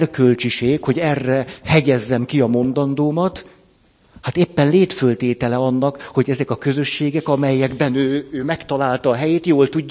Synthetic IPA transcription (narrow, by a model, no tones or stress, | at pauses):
rkø̞lt͡ʃiʃeːkho̞ɟɛrːɛhɛɟɛzːɛmkiɒmo̞nd̪ɒnd̪oːmɒt̪ | hat̪eːpːɛnleːt̪følt̪eːt̪ɛlɛɒnːɒkho̞ɟɛzɛkɒkø̞zø̞ʃːeːɡɛkɒmɛjːɛɡbɛnøːøːmɛkt̪ɒlaːlt̪ɒːɦɛjeːt̪joːlt̪uɟː